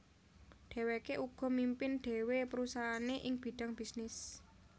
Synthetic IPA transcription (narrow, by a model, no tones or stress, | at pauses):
ɖ̥e̤wekeʔuɡ̥ɔ̤mimpɪnɖ̥e̤wepəɾusaɦaneʔɪŋb̥i̤ɖ̥a̤ŋb̥isnɪs